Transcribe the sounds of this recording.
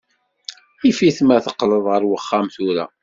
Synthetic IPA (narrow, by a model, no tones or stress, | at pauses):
ifiθmæθəqːləðˤʁəɾwəχːamθuɾæ̰